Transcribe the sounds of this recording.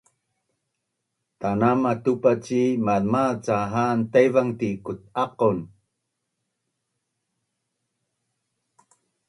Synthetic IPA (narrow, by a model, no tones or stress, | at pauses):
t̪anamatupat͡ɕimalmat͡saɦant̪ajvaŋt̪ikut̪̚aqun